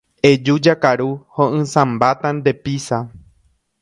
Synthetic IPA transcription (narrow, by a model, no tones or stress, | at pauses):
e̞d͡ʒud͡ʒakaɾuhõʔɨ̃sãmbat̪and̪e̞pisa